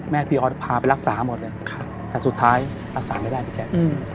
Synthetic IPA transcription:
mɛː˥˩pʰiː˧ʔɔː˧˩t̪pʰaː˧pa˧jla˦˥k̚saː˩˦mo˨˩t̪̚lɤː˧jkʰ | t̪ɛː˨˩su˨˩t̪ʰːaː˦˥j | ɾa˦˥k̚saː˩˦ma˥˩jdaː˥˩jpʰiː˧˩t͡ɕʰɛː˧˩˧

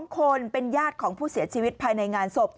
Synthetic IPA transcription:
ŋkʰo˧npe˧njaː˥˩t̪̚kʰɔː˩˦ŋpʰuː˥˩si˩˦ɐt͡ɕʰiː˧wi˦˥t̪̚pʰaː˧jna˧jŋaː˧nso˨˩p̚

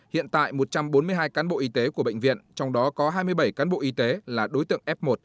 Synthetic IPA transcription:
hḭ˧˨ənt̪a̰ː˧˨jmo˨˩t̚t͡ɕa˧mɓo˨˦nmɨ˧əjɦaː˧jkaː˨˦nɓo̰˧˨ʔi˧t̪e˨˦ku˧˩əɓ̰ə̰˧˨ŋ̟vḭ˧˨ənt͡ɕɔ˧wŋ͡mɗɔ˨˦kɔ˨˦ɦaː˧jmɨ˧əjɓə˧˩jkaː˨˦nɓo̰˧˨ʔi˧˦t̪e˨˦laː˨˩ɗo˨˦jt̪ɨ̰˧əŋʔɛ˦˥p̚mo˨˩t̚

